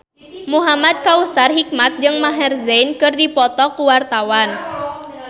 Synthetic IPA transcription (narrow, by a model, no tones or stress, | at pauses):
muɦamad̪̚kausarɦik̚mat̪̚d͡ʒɨŋmaɦɛrzɛjnkɨrdipɔt̪ɔkuwart̪awan